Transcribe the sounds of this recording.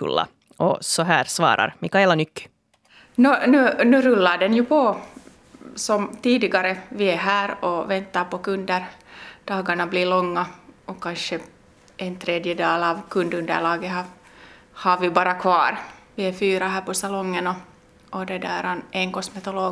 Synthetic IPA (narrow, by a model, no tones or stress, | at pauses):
ɵ̰lːa̰ | ʔɔsɔɦæːɾsʋɑ̰ːɾʔa̰ɾmɪkaɛlːanʏkː | nɔnʉːnʉːɾʉlːaɖɛnjʉpʰɔ | sɔmt̪iːd̪ɪɡɑɾəʋɪɛɦæːɾɔvɛnt̪ːɑɾpɔkɵnd̪əɾd̪̥ɑːɡaɳabliɭɔŋːaɔkanʃə | ʔɛnt̪ʰɾeːd̪jəd̪ɑːlɑːvkʰɵnd̪ɵnd̪æ̰ɭɑːɡəɦɑ | hɑɾʋɪbɑːɾɑkʰvɑːɾʋɪɛfyːɾɑɦæːpɔsɑlɔŋːənɔ | ʔɔd̪ɛd̪æːɾɑnʔɛŋkɔsmɛt̪ɔloː